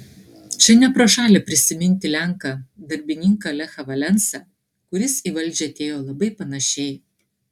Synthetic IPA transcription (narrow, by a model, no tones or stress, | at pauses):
t͡ʃʲɛnʲɛpɾoːʃɑːlʲɛpʲɾʲɪsʲɪmʲɪnʲt̪ʲɪlʲæŋkɑd̪ɐɾʲbʲɪnʲɪŋkɐlʲɛxɐʋɐlʲɛnsɐ | kʊɾʲɪsiːʋɐlʲd͡ʒʲɛɐt̪ʲeːjoːlˠɐbɐɪpɐnɐʃʲɛɪ